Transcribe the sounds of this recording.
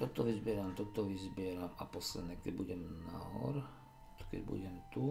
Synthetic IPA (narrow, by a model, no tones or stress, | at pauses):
t̪ɔt̪ɔʋizbɪɛɾamt̪ɔt̪ɔʋizbɪɛɾamapɔslɛd̪ɲɛkɛɟbuɟɛmna̰ɦɔ̰ɾ | kɛ̰ɟbṵɟɛmt̪u